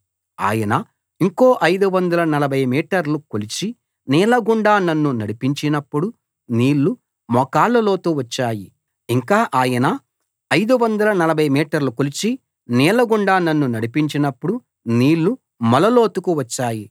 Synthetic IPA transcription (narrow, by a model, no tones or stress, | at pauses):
a̰ːjɐnɐ | iŋko̞ːʔɐjd̪uʋɐnd̪ɐlɐnɐlɐbʱɐjmiːʈɐɾlukolit͡ʃi | nɛːlɐɡuɳɖaːnɐnːunɐɽipiɲt͡ʃinɐpːuɽu | niːlːu | mɔkaːlɐloːt̪uːʋɐt͡ʃːaːji | iŋkaːʔaːjɐnɐ | ɐjd̪uʋɐnd̪ɐlɐnɐlɐbʱɐjmiːʈɐɾlukolit͡ʃi | nɛːlɐɡuɳɖaːnɐnːunɐɽipiɲt͡ʃinɐpːuɽu | niːlːu | mɐlɐloːt̪ukuʋɐt͡ʃːaːji